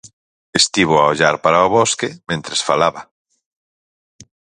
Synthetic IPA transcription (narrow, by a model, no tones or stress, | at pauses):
est̪iβ̞ʊaoʎaɾpaɾaoβoskemẽnt̪ɾesfalaβɐ